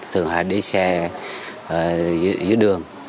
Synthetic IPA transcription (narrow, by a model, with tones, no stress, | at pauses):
t̪ʰɨ˨˩əŋha̰ː˧˨˩jɗi˧˩sɛ˧˨˩ | zzɨ˨˧˦ɗɨ˨˩əŋ